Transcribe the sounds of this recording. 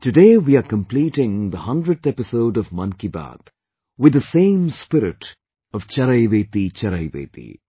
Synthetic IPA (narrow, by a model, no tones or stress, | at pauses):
ʈɨɖeːwiaɾkə̃mpliːʈɪ̃ŋd̪əhʌ̃ndɾəd̚ɛpɪsoʊɖɔvmʌ̃nkiba̰ːd̪̥ | wɪd̪əsẽːmspɪɾɪʈ | ʌʋ̥t͡ʃɐɾaɪʋeːt̪it͡ʃɐɾaɪʋḛːt̪ḭ